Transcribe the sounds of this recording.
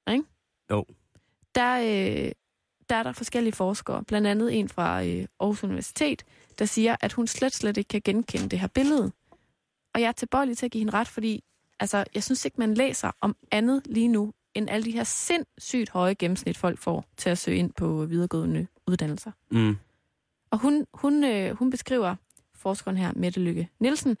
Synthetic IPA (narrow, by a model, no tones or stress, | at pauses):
e | d̥ɑ̈ø | d̥ɑ̈æɐɾɑ̈fɒ̽sɡ̥el̰iəfɒːsɡ̥ɐ̰b̥lænd̥ænð̞̩ˠe̝nfʁɑ̈ʔɒhusuniʋæɐsi̥t͡sʰe̝̰ːd̥ | d̥ɑ̈siːɐʔæd̥hunsled̥sled̥e̝ɡ̥̚kʰæɡ̥enkʰenəd̥e̝ɦæɐb̥e̝ləð̞̩ˠ | ɒ̽jɑ̈ɪæɐt͡sʰe̝b̥ɒ̽ɪlit͡sʰe̝æɡ̥iːhenəʁɑ̈d̥fɒ̽d̥ḭː | ælsɐjɑ̈ɪsynse̝ɡ̥mænlḛːsɐʔɒ̽mʔænð̩ˠliːnu | enʔæləd̥iɦeɐ̰se̝n̰sy̰ːd̥hɒ̽ɪəɡ̥em̩snid̥fɒ̽l̰ɡ̥fɒ̰ːt͡sʰe̝æsø̰ːe̝n̰pʰɒ̽ʋið̞ˠɐɡ̥ɔ̰ðˠənə | uð̞ˠd̥æn̰l̩sɐ | ɒ̽ɦunhunøhunb̥e̝sɡ̥ʁḭːʊ̰ɐ | fɒːsɡ̥ɐunɦæɐ̰med̥əløɡ̥ənilsn̩